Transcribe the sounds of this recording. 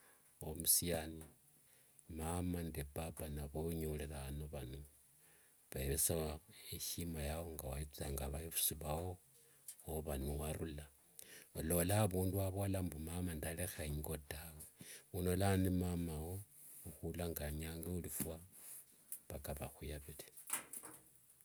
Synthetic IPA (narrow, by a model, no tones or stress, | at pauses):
omusiani | mamandebabanaβoɲolelaːnoβanu | βeβesaeʃimajawoŋɡawait͡siaŋɡaβajifu̥siβawo | βanuwaɾula | lo̞laːβuːnduaβo̞lambumamandalexaiŋɡo̞dawounolanimamawo | uxulaŋɡaɲaŋɡeulifwa | βakaβaxujaβile